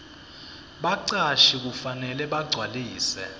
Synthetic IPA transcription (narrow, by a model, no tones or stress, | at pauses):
ɓaǀaʃik̬ufanɛlɛɓaɡ͡ǀʱwaliːsɛ̰